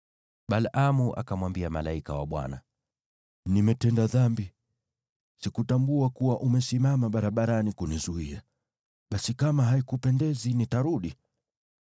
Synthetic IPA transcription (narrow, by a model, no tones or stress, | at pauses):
ɓalʔamuʔa̰kamwambiamalaikawa̰ɓwa̰na̰ | nimɛtɛndaðambi | sikutambuakuwaʔumɛsimamaɓaɾaɓaɾanikunizuia | ɓasikamaɦaikupɛndɛzinitaɾuɗi